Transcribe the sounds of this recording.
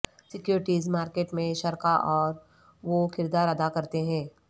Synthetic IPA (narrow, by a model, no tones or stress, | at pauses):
sɪkjuːɾɪʈiːzmaːɾkeːʈmẽʃɐɾkaʔɔːɾ | ʋokʰɪɾd̪aːɾɐd̪akɐɾt̪eɦɛ̃ː